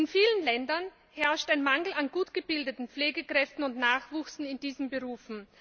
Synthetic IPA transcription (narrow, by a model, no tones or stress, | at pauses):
ɪnfiːlənlɛndɐn | hɛɐʃtæɪnmaŋl̩anɡuːtɡ̥əbɪldətn̩p͡fleːɡəkʁ̥ɛftn̩ʊntnaːχv̥uːksn̩ɪndiːzəm̩bəʁuːfn̩